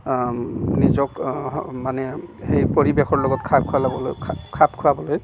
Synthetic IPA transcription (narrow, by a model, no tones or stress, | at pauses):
nizɔkmanɛhejpoɹibexɔɹlɔɡɔtkʰap̚kʰualʰkʰap̚kʰuɹabɔloj